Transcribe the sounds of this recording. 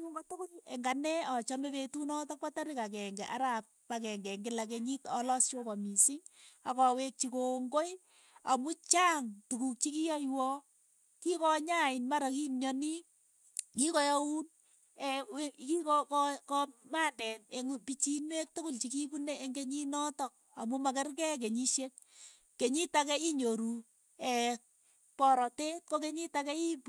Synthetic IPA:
uŋɡatʊkʊleŋɡanɛɔt͡ʃɔmeβetunɔtak̚pataɾɪkak̬ɛŋɡɛʔa̰ɾap̚ | pakɛŋɡɛŋɡɪlak̬eɲitɔlɔst͡ʃokɔmisiakɔwek̚t͡ʃikoŋɡoj | amut͡ʃaːŋtukuk̚t͡ʃikijɔjwɔ | kikɔɲaɪnmaɾakinjɔni | kikɔjɔun | ɛkikɔkkɔmandɛneŋupit͡ʃinwek̚tokolt͡ʃikibuneeŋɡeɲinɔtɔk̚amumakɛrkɛk̬eɲiʃet̚ | keɲitakɛiɲoɾu | ɛ | pɔɾɔtekok̬eɲitakɛip

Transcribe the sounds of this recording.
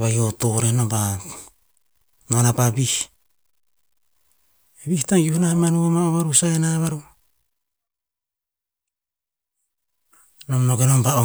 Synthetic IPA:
βajotoɾenomba | nonapaβih | eβihtaŋjohnahamanuamaoβaɾusaenaβaɾu | nomnoɡenombao

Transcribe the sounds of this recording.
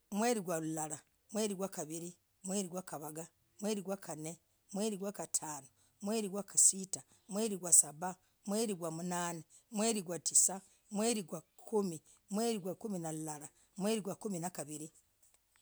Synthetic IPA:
mwe̞ːɾiɡwalulala | mweːɾiɡwakaβiɾi | mweːɾiɡwakaβaɡa | mwe̞ːɾiɡwakʰane | mweːɾiɡwakatʰaːno | mweːɾiɡwakasita | mwe̞ːɾiɡwasaba | mweːɾiɡwamunaːne | mwe̞ːɾiɡwatisa | mwe̞ːɾiɡwa | kʰumi | mweːɾiɡwakuminalulala | mweːɾiɡwakuminakaβiɾi

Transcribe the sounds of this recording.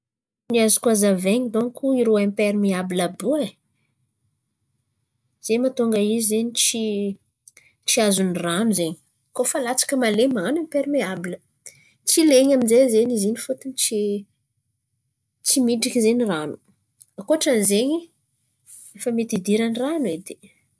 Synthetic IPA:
niazu̥kazaveɲid̪oŋkʰuiɾoempeɾimiabilabue | z̥emat̪uŋɡəizizeɲit͡ʃi | t͡ʃiazuniranuzeɲi̥ | kofalat͡sḁkəmalemaanempeɾimeabilə | t͡sileɲaminzezeɲizinifut̪init͡si | t͡simiɖ͡ʐikizeɲiranu̥ | akoaʈ͡ʂanizeɲi | efəmet̪id̪iɾaniranued̪e̥

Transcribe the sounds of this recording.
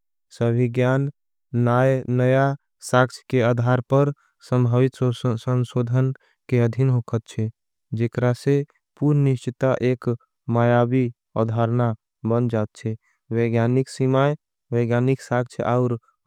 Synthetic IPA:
səbʱiɡjanː | ajnəja | sak̚t͡ʃʰə̥kead̪ʱaɾpəɾ | sə̃mbʱəʋit̪ssənsod̪ʱən | keəd̪ʱinɦokʰət̪̚t͡ʃʰɛ | d͡ʒekɾase | puɾniʃt͡ʃt̪aʔek | majabi | a̰d̪ʱaɾna | bənd͡ʒat̪̚t͡ʃʰɛ | wəɡjaniksimaj | weɡjaniksakt͡ʃʰaʊɾ

